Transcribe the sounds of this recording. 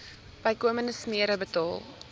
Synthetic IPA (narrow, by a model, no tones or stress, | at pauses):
b̥ɐjkuəmənəsmiəɾəbətɑ̰ːlˠ